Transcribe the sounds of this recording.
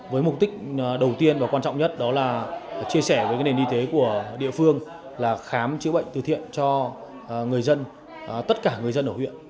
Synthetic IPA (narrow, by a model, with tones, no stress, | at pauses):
vəː˨˦jmʊ˨˩k͡p̚t̪ï˦˥k̟̚ɗə˨˩wt̪i˧ənvaː˨˩kwaː˧nt͡ɕɔ̰˧˨wŋ͡mɲə˦˥t̚ɗɔ˨˦laː˨˩t͡ɕi˧əsɛ˧˩vəː˨˦jkaː˨˦ne˨˩nʔi˧t̪e˨˦ku˧˩əɗḭ˧˨əfɨ˧əŋ | laː˨˩xaː˨˦mt͡ɕɨ̰˧˥ɓə̰˧˨ŋ̟t̪ɨ̰˨˩t̪ḭ˧˨ənt͡ɕɔ˧ | ŋɨ˨˩əjzə˧n | t̪ə˦˥t̚kaː˧˩ŋɨ˨˩əjzə˧nʔə˧˩whḭ˧˨ən